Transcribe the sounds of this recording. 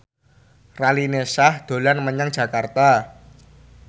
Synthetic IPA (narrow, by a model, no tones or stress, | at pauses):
ralinesahd̪̥o̤lanməɲaŋ̥d͡ʒ̥ä̤kart̪a